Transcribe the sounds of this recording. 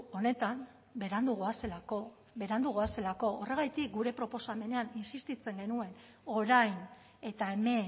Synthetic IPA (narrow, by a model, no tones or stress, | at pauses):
o̞ne̞t̪am | beɾand̪uɣ̞oaselako | be̞ɾand̪uɣ̞oase̞lako̞ore̞ɣ̞ajt̪ik̚ɡuɾe̞pɾo̞po̞same̞ne̞aninsist̪it͡se̞ŋɡe̞nue̞n | o̞ɾajn | e̞t̪ae̞me̞